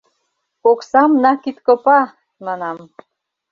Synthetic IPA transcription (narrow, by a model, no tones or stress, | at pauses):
oksɑmnɑkit̪kopɑ | mɑnɑm